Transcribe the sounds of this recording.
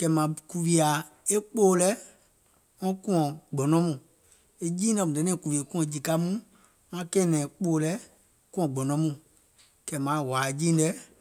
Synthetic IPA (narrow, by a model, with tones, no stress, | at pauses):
kɛ˧˨mã˨ku˧vi˧a˨ | e˦k͡poː˦lɛ˦ | ŋɔ̃˦kũ˦ɔ̃˨ɡ͡bɔ̃˨nɔ̃˦mũ˨ | e˦d͡ʒiː˦dɛ˧mũ˨ɛ˨nɛ̃ː˦˨ku˨vi˨e˨kũ˦ɔ̃˨˧˦d͡ʒi˨ka˦mũ˦ | ŋã˦kɛ̃˦˨nɛ̃ː˨k͡poː˦˨lɛ˦ | kũ˦ɔ̃˨ɡ͡bɔ̃˨nɔ̃˨˦mũ˨ | kɛ˨mã˨˦˨wa˨d͡ʒĩː˦dɛ˨˦